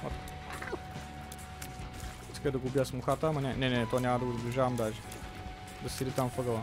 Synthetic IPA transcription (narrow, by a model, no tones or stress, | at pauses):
a̰t̪ | i̥skəd̪ɐɡʊːbijəsmʊxat̪əːmɐnʲɛnɛnɛɛt̪ɔnʲamɐd̪ɐɡʊzɐblʲiʒavɐmd̪aʒɛ̥ | d̪ɐsid̪it̪amfəɡəlˠə